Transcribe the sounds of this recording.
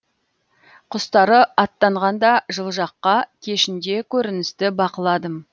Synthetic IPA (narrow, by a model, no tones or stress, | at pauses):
qʰʊst̪ɑɾəɑt̪ːɑɴʁɑnd̪ɑʒəlˠʒɑqːɑkʲʰe̞ʃɪnd̪e̞kʲʰɵɾɪnɪst̪ɪbɑqəlˠɑd̪əm